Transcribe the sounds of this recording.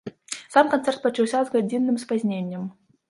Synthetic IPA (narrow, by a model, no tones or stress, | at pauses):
samkansɛrt̪̚pɐt͡ʂuwsʲazɣad͡zʲinːɨmspazʲnʲenʲːɐm